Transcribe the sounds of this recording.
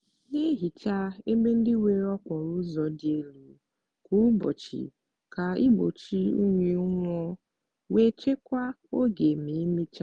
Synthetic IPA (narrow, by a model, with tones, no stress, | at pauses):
ne˦ɦi˨t͡ʃa˦e˦me˦n̩˦dɪ˦we˦ɾɔ˦kʷɔ˨ɾu˦zɔ˨dɪ˦e˦lu˨ | ku˦bo̰˨t͡ʃḭ˨ | ka˨i˦bo̰˨t͡ʃi˦ṵ˦ɲʷe˨˦ŋʷɔ˦ | we˦t͡ʃe˦kʷa˦ | o˦ɡe˨m̩i˨˦mi˦t͡ʃa˦